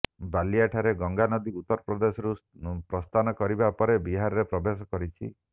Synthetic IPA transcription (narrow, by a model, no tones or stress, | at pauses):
baliaʈʰaɾeɡɔŋɡanɔd̪iut̪ːɔɾɔpɾɔd̪esɔɾupɾɔst̪ʰanɔkɔɾibapɔɾebiɦaɾɔɾepɾɔbesɔkɔɾit͡ʃʰi